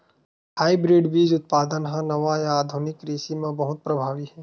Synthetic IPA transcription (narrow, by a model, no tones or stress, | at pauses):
haːibɾiːɖbiːd͡ʒʊt̪̚paːd̪ənɦãnɐʋajaːd̪ʱʊnɪkɾiːsimẽbɐɦʊt̪̚pɾɐbʱaːʋiɦɛː